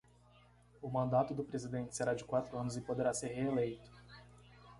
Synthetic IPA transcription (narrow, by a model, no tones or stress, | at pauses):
ʊmɐ̃nd̪at̪ʊd̪ʊpɾezid̪ẽnt͡ʃɪ̥seɾad͡ʒɪkwat̪ɾʊɐ̃nʊzɪpod̪eɾaseɾɦeelejt̪ʊ̥